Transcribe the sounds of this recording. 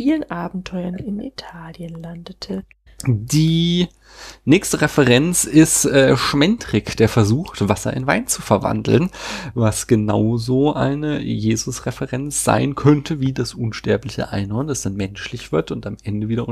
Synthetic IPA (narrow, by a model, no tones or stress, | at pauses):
iːlənʔaːbm̩tʰɔʏɐnɪnḭtʰaːljənlandətʰə | diː | nɛːkstəʁɛfɛʁɛnt͡sɪstʔɛːʃmɛntʁɪkd̥eːɐfɛɐzuːxtv̥asɐ̰ʔɪ̰nvaɪnt͡sufɛɐva̰ndl̩nvasɡ̥ənaʊzoːʔa̰ɪnəjeːzʊsʁɛfɛʁɛnt͡sz̥a̰ɪnkʰœntʰəviːdasʔʊnʃtɛɐplɪçə̰ʔa̰ɪnhɔɐnd̥asd̥anmɛnʃlɪçv̥ɪɐtʊntamʔɛndəviːdɐʊ